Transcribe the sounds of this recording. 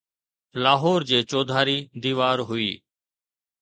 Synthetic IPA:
laːɦoːɾd͡ʒeːt͡ʃoːd̪ʱaːɾiːd̪iːʋaːɾɦʊḭː

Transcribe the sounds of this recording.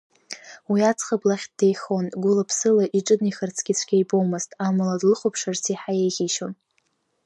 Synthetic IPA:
wiat͡sʰχəblaχʲtd̥ejχo̞nɡʷʊlapʰsɨlaʔiʈ͡ʂʼɨdniχart͡sʰɡʲɪt͡sʷʰɡʲejbowmɨztʼamaladlɨχʷopʰʂart͡sʰiħajejχʲiʃon

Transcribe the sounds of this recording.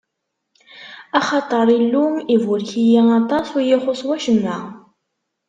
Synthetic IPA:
ɑχɑt̪ˤəɾˤilːumivʊɾçijæɑt̪ˤɑsˤwijiχosˤwæʃəmːæ

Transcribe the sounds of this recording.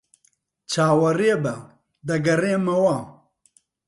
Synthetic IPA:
t͡ʃʰaːwɐrebɐ | d̪ɐɡɐreːmɐwaː

